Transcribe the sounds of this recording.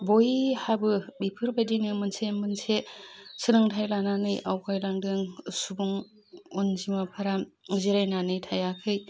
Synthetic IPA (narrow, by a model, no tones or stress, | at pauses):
bojhabɯbipʰɯɾbadiŋɯmɯnsemɯnsesɯnɯŋtʰajlananɯjawkʰajlaŋdɯŋsubuŋ | onzimapʰaɾamziɾajnanɯjtʰajakʰɯj